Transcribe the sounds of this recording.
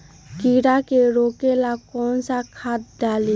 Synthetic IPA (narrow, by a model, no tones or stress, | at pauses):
kiɾakeɾoːkelakɔːnsakʰat̪̚ɖali